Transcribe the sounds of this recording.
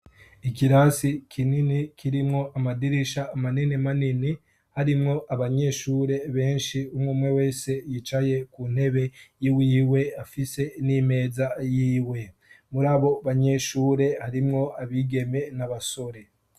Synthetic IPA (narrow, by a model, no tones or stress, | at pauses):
ikiɾasikʰininikʰiɾimŋo̞ʔamadiɾiʃaːmaninimanini | haɾimŋo̞ʔaβaɲe̞ʃuːɾe̞βe̞ːnʃiumŋuːmŋe̞we̞ːse̞jit͡ʃaje̞kun̥he̞βe̞jiwiːwe̞afise̞nime̞ːzajiːwe̞ | muɾaːβo̞βaɲe̞ʃuːɾe̞haɾimŋo̞aβiɡe̞me̞naβaso̞ɾe̞